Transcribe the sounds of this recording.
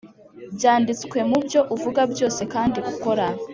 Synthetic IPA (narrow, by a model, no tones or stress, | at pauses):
bjaːndit͡skwe̞mubjo̞ʔuvuɡabjo̞ːse̞kaːndiɡuko̞ɾa